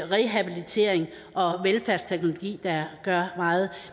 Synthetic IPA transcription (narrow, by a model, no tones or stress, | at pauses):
ʁeɦæb̥ilit͡sʰe̝ɐ̰eŋ | ʔɒ̽ʋelfæɐst͡sʰeɡ̥no̝lo̝ɡ̥ḭːd̥ɑ̈ɡ̥ɶɐmɑ̈ːð̞̩ˠ